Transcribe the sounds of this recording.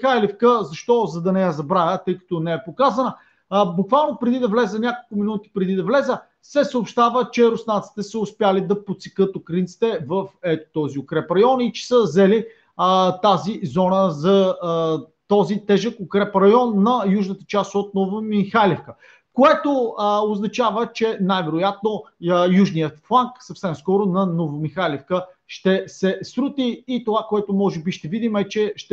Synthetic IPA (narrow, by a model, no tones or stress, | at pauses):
xajlɛfkəzɐʃt̪ɔzɐd̪ɐnɛjazɐbɾajət̪ɤjkə̥t̪ɔnɛɛpokazənə | bukvalˠnopɾɛd̪id̪ɐvlɛzənʲakolˠkʊminut̪i̥pɾɛd̪id̪ɐvlɛzə | sɛsəːpʃt̪avət͡ʃɛɾʊsnant̪si̥t̪ɛsəʊspjalid̪ɐpot̪sɛ̥kɤt̪okɾint̪si̥t̪ɛvɐfɛt̪o̥t̪ɔziokɾɛpɾɐjɔnit͡ʃɛ̥səzɛli | t̪azizɔnəzɐ | t̪ɔzit̪ɛʒəkokɾɛpɾɐjɔnːɐjuʒnət̪ə̥t͡ʃast̪ot̪̚novəmixalʲɛfkə | koɛt̪ooznɐt͡ʃavət͡ʃɛnajvɛɾʊjat̪̚nojuʒnijət̪flˠaŋksɐfsɛmskɔɾʊnɐnovɐmixalɛfkəʃt̪ɛsɛsɾut̪iːt̪ovakoɛt̪omɔʒɛbiʃt̪ɛvid̪imɛt͡ʃɛʃt̪ɛ